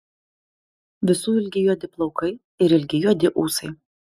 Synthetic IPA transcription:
ʋʲɪsuːɪlʲɡʲɪjuɔd̪ʲɪplˠɒʊkɐɪ | ɪɾɪlʲɡʲɪjuɔd̪ʲɪʔuːsɐɪ

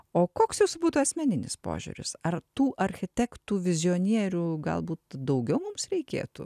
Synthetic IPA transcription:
oːkoːksjɛʊsbuːt̪uːɐsʲmʲɛnʲɪnʲɪ̰spo̰ːʒʲṵːɾʲʊ̰sɐrt̪uːʔɐɾʲxʲɪt̪ʲækt̪uːʋʲɪzʲɪoːnʲiɛɾʲuːɡɐ̰lˠbuːt̪d̪ɐʊɡʲɛʊmʊmsɾʲɛɪkʲḛːt̪ṵː

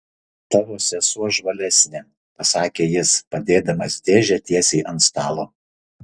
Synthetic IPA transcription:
t̪ɐɾoɔsʲɛsuɔʒʋɐlʲɛsʲnʲeː | pɐsɑːkʲeːjɪspɐd̪ʲeːd̪ɐmɐsd̪ʲeːʒʲɛt̪ʲiɛsʲɛɪʔɐnst̪ɑːlˠoː

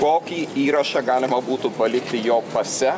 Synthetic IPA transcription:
koːkʲiːiːɾɐʃɛɡɑːlʲɪmɐbuːt̪ʊpɐlʲɪkʲt̪ʲɪjoːpɐsʲɛ

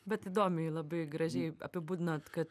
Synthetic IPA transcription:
bʲɛt̪ɪd̪oːmʲɪlˠɐbɐɪɡɾɐʒʲɛɪɐ̰pʲɪbuːd̪ʲɪnoːt̪kɐt̪

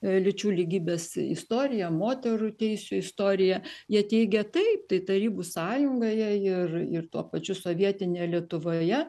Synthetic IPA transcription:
lʲɪt͡ʃʲuːlʲiɡʲiːbʲeːsɪ̰st̪oːɾʲɪjɛmoːt̪ʲɛɾʊt̪ʲɛɪsʲʊɪst̪oːɾʲɪjɛjiɛt̪ʲɛɪɡʲɛt̪ɐɪp̚t̪ɐɪt̪ɐɾʲiːbusɑːjʊŋɡɐjɛɪrɪrt̪uɔpɐt͡ʃʲʊsoːʋʲiɛt̪ʲɪnʲeːjɛlʲiɛt̪ʊʋoːjɛ

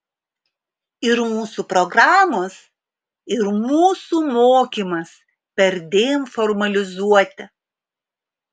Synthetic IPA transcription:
ɪɾmuːsuːpɾɔɡɾaːmoːs | ɪɾmuːsuːmoːkʲiːmɐs | pʲɛɾʲd̪ʲeːjɛmfɔɾmɐlʲɪzuɔt̪ʲɪ

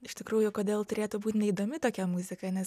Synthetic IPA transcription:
ɪʃt̪ʲɪkɾuːjʊkoːd̪ʲeːlˠt̪ʊɾʲeːt̪ʊbuːt̪ʲnʲɛiːd̪oːmʲɪt̪oːkʲɛmʊzʲɪkɐːnʲɛs

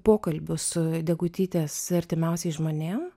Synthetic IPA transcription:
poːkɐlʲbʲʊsʊd̪ʲɛɡʊt̪ʲiːt̪ʲesɐɾʲt̪ʲɪmʲɛʊsʲɛɪʒmoːnʲeːm

